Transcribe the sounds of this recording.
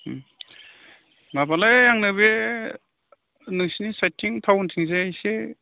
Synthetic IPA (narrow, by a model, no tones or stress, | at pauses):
ŋabalajjaŋnɯbe | nɯŋsinisajtʰiŋtʰawntʰiŋzeajse